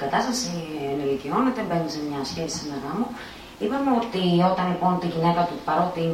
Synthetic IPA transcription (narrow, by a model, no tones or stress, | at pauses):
kɐt̪ɐst̪ɐsienelicio̞net̪ebenisemɲɐsçeisinɐɾɐmu | ipɐmeo̞t̪io̞t̪ɐnlipo̞nt̪iʝine̞kɐt̪upɐɾo̞t̪i